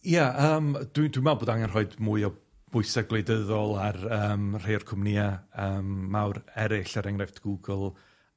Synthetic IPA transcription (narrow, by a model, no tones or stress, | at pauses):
jaʔəːmd̥widwinmɛlˠboːdaŋɛnr̥ɔɨdmuɨɔ | b̥ʊɨsaɡlˠejdəðɔlˠarəːmr̥ejɔrkʰʊmniaəːmːawɾɛɾɪɬaɾɛŋrɛftʰɡ̥uɡəlˠ